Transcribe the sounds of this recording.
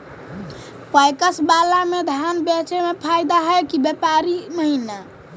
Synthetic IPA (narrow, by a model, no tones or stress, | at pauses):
pəjkəsbalamed̪ʱanbɛt͡ʃemepʰajd̪aɦəjkibepaɾiməɦina